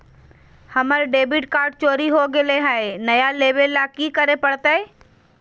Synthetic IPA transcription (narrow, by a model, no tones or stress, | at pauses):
hɐməɾɖeːbɪʈkaːɾɖ̚t͡ʃoːɾiɦoɡɪleɦaenɐjaleːʋelːakikəɾepəɽt̪ae